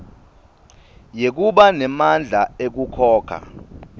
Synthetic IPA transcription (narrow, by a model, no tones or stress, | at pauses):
jek̬uɓanɛmand͡ɮʱaek̬ukʰɔːkʰa̰